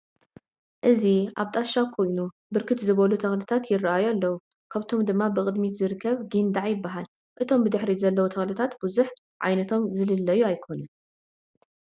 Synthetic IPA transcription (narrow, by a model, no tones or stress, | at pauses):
ʔɨziʔa̰βt̪ʼaʃakʰo̞jnu | bɨɾkʰɨt̪zɨβɐlut̪ʰɐxlɨt̪ʰat̪jɪrːaʔajalːɐwu | kʰaβt̪ʰo̞md̪ɨmːabɨkʼɨd̪mizɨɾɨkʰːɐβɡɨnd̪aʕjɪbːaɦal | ʔɨt̪ʰo̞mbɨd̪ɨħɾizɐlːɐwut̪ʰɐxlɨt̪ʰat̪b̥uzuħ | ʕa̰jnɐt̪ʰo̞mzɨlɨlːɐjuajkʰo̞nu